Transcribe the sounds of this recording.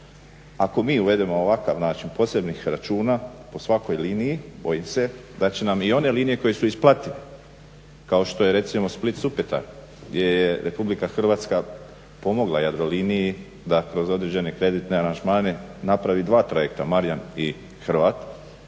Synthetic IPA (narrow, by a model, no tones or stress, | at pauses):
ako̞miːuʋe̞d̪e̞mooʋakaʋnaːt͡ʃinpo̞se̞bnixɾat͡ʃuːnapo̞sʋako̞jliːnijibo̞jimse̞ | d̪at͡ɕe̞namio̞ne̞liːnije̞ko̞jesuisplˠat̪iʋe | kao̞ʃt̪o̞jeɾe̞t̪simo̞split̪supet̪a̰ | jeɾjeɾʔe̞publikaxr̩ʋaːt̪ska | po̞mo̞ɡlˠajad̪ɾo̞liːniji | d̪akɾo̞zo̞d̪ɾed͡ʑe̞ne̞kɾe̞d̪it̪ne̞aɾand͡ʒmaːne̞napɾaʋid̪ʋaːt̪ɾaje̞kt̪amaɾjani | xr̩ʋaːt̪